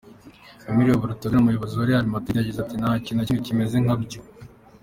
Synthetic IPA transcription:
omiɾioβuɾutonumujoβoziwaɾihaɾimatijaɟizatinahacinaiicime̞zeŋhabɟo

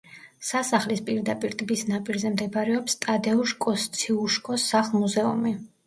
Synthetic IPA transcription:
sasaχlispʼiɾd̪apʼiɾt̪ʼbisnapʼiɾzɛmd̪ɛbaɾɛɔpst̪ʼad̪ɛuʃkʼɔst̪sʰiuʃkʼɔsaχlˠmuzɛṵmi

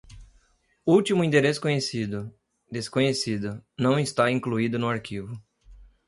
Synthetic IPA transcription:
uwt̪imʊĩnt̪eɾesʊ̥kõɲesid̪ʊ | d̪eskõɲesid̪ʊnɐ̃w̃ɪst̪aĩkluid̪ʊnʊaɾkivʊ

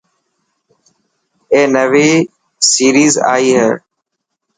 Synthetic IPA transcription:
ẽːnəʋiː | siːɾiːza̰ːiːɦḛː

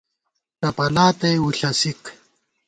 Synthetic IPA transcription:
tɐpɐlaːt̪ɐjuɬɐsik

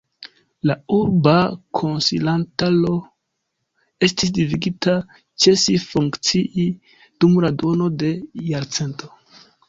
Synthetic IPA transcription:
lauɾbakʰonsilantalo̞ | e̞stis̬diviɡita | t͡ʃe̞sifuŋkt͡siʔi | d̥umɾado̞no̞de̞jaɾt͡se̞nto̞

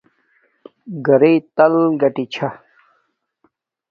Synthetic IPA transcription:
ɡɐɾet̪ɐlɡɐʈit͡ɕʰa

